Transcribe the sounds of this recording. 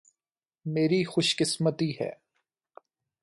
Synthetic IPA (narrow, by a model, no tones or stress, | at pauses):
meːɾixʊʃkɪsmət̪iɦɛ̰ː